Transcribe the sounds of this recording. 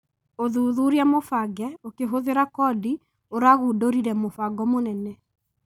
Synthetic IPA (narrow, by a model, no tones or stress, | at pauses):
oðuːðuɾiamofaɡɛokeɦoðeɾakɔdi | oɾaɣuːdoɾiɾɛmofaɡɔmonɛnɛ